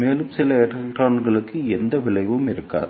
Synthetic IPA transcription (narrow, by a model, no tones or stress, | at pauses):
meːlɯmsɪlɐɛʈɐʈɾaːnɡɐɭɯkːɯɛnd̪ɐʋɪɭɐɪʋɯmɪɾɯkːa̰ːɾ